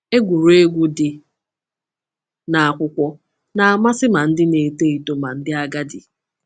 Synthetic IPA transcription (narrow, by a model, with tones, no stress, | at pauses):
e˦ɡʷu˨ɾe˦ɡʷu˦dɪ˨ | na˨a˨kʷʊ˦kʷɔ˦ | na˨a˨ma˦sɪ˦ma˨n̩˦dɪ˦ne˨te˦i˨to˦ma˨n̩˦dɪ˦a˦ɡa˦dɪ̰˨